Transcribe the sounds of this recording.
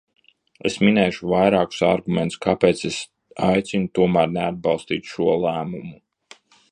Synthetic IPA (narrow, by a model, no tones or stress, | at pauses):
ḛsminɛːʃuvajɾaːku̥saɾɡumʲent̪skapeːt̪ses | ajt̪sinut̪uɔmæːɾnead̪̚bɑlˠst̪iːt̪ʃuɔlˠæːmumu